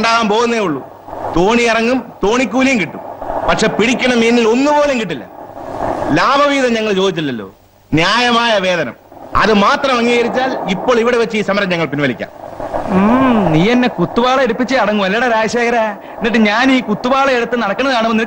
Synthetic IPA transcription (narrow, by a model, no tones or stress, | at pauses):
ɳɖaːʋaːmpo̞ːɣunːeːuɭːu | t̪o̞ːɳiirɐŋːumt̪o̞ːɳikʲːuːlijumkiʈːṵmpɐʈʂe̞ːpiɽikʲːɐɳɐminːilo̞nːupo̞ːleŋkiʈ̬ːilːɐ̰ | laːbʱɐʋiːðɐmɲɐŋːɐɭt͡ɕo̞ːd̪it͡ɕːilːɐlːo̰ː | njaːjɐmaːjɐʋe̞ːðɐnɐ̰mɐ̰ðɨmaːt̪rɐmʋɐŋːiɣɐɾit͡ɕːaːlipːo̞ːɭiʋiɽeʋɐt͡ɕːɨiːsɐmɐɾɐmɲɐŋːɐɭpinʋɐlikʲːa̰ːmː | niːenːekut̪ːubaːɭɐeɽupːit͡ɕːɨɐɽɐŋːuʋɐlːiɽɐɾaːɕjeːɣɐɾa | nːiʈːɨɲaːniːkut̪ːubaːɭɐeɽut̪ːɨnɐɽɐkːɐɳːɐðɨkaːɳɐmenːi